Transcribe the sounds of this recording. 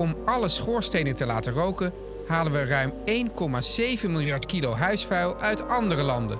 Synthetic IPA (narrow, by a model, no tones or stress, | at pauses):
ɔmɑləsχʊːɹstejnətəla̰ːtərowkən | ɦaːlənʋərœɥmejnkɔmaːz̥ejvənmɪlˠjɑɹtkilowɦœɥsfɛɥlˠœɥtɑndərəlɑndə̰n